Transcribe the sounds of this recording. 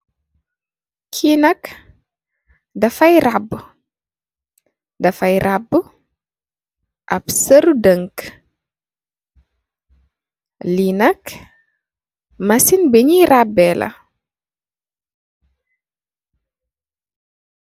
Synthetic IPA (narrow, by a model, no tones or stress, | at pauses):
kʰinɐk | dɐfɐjrabː | dɐfɐjrʔab | ʔɐpsəɾudəŋk | linɐk | mɐsinbəɲirabːɛlʔɐ̰